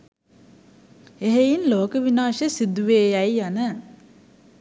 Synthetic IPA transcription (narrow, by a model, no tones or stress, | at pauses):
eɦejinloːkəʋinaːʃəsid̪uʋeːjæjanə